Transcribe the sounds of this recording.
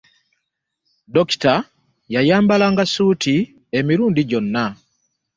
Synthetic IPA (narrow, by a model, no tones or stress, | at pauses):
doki̥ta | jajaːmbalaŋɡasuːtʰi | e̞miɾuːndiɟo̞nːa